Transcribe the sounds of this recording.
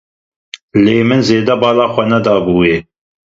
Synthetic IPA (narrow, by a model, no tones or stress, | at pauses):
leːmɨnzeːd̪ɛbɑːlaːxʷɛnɛd̪ɑːbuːeː